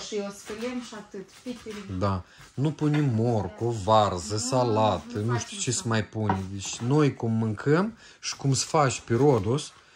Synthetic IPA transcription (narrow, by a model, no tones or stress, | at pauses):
ʃiosfəlʲemʃat̪ɨt̪pʲit̪eɾʲd̪anupunʲimːorkovarzəsalat̪ənuʃt̪ʲut͡ʃesəmajpunʲd̪et͡ʃʲno̞jkumːɨŋkʰəm | ʃi̥kumsə̥fat͡ʃʲpeɾod̪us